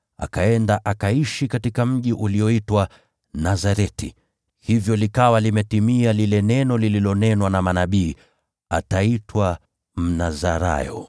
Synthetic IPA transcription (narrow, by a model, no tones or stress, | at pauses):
a̰kaɛndaʔakaiʃikatikam̩ʄiʔuliɔitwa | nazaɾɛti | hivjɔlikawalimɛtimialilɛnɛnɔlililɔnɛnwanamanaɓiː | a̰taitwa | m̩nazaɾa̰jɔ̰